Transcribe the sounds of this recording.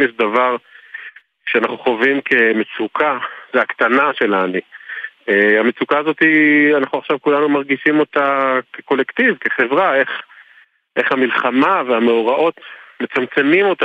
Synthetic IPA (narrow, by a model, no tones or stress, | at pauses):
jeʃ̬davaʁ | kʃeanaχnuχo̞vimkʰe̞met͡sukʰazeakt̪anaʃe̞lanueame̞t͡sukaːzo̞t̪ianaχuaχʃavkulanumaʁɡiʃimo̞takeko̞lektivke̞χe̞vʁae̞χ | ʔe̞χhamilχamaveame̞oʁaʔo̞tme̞t͡samt͡se̞mimo̞ta